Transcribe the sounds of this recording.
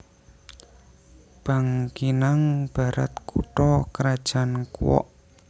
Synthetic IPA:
b̥aŋkinaŋb̥a̤ɾa̰t̪kʰuʈ̪ɔkəɾad̥ʒ̥a̤nkuwɔ̰ʔ

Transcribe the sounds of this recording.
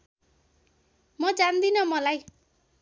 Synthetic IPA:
mʌd͡zand̪inʌmʌlaj

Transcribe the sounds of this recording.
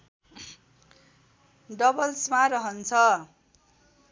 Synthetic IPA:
ɖʌbʌlsmaɾʌɦʌnt͡sʰʌ

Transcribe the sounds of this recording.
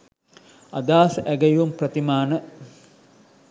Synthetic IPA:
ɐ̰d̪aːsʔæɡɐjuumprɐt̪imaːnə

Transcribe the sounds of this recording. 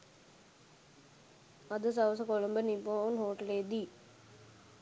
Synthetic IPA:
ɐd̪ɐs̬ɐʋɐs̬ɐkolɐmbɐniponɦoːʈleːd̪i

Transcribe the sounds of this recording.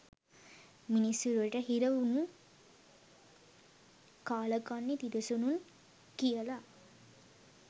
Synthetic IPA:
minisɾɐʈɐɦiɾɐʋnu | kaːlɐkanːit̪id̪ɐsonun | kijɐla

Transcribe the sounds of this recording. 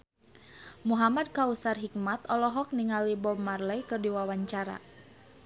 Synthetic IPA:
muɦamad̚kausarɦik̚mat̪ɔlɔɦɔk̚niŋalibɔmarlɛjkɨrdiwawaɲt͡ʃaɾa̰

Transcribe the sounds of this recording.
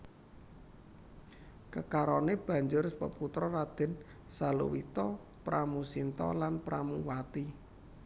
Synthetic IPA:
kəkaɾɔneb̥a̤ɲd͡ʒʊrspəput̪ɾɔrad̪̥ɪ̤n | salṵwit̪ɔ | pɾamusint̪ɔ̰lanpɾʔamuwat̪i

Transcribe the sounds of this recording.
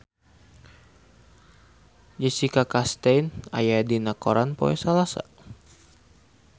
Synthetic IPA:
d͡ʒəsikakast̪ejna̰jadinakoɾanpo̰ɛ̰salasa̰

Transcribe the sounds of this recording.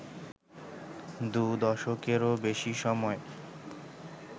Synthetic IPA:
d̪ud̪ɔʃokeɾobeʃiʃɔmɔe

